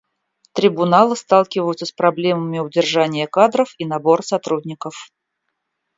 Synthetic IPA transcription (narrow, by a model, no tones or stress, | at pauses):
t̪ɾʲɪbʊnalˠɨst̪ɑlˠkʲɪvəjʊt̪səspɾɐblʲeməmʲɪʊdʲɪrʐanʲɪjəkad̪ɾəfinɐbo̞rsɐt̪ɾudʲnʲɪkəf